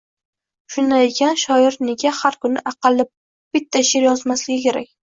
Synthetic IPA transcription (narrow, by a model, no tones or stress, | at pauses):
ʃʊnd̪ajekʲʰanʃɒɪɾneɡʲahaɾkʊnɪʔɑqɑlˠːɪ | b̥ɪt̪ʰːaʃɪɾjɒzmaslɪɡʲɪkʲʰe̞ɾa̰kʲ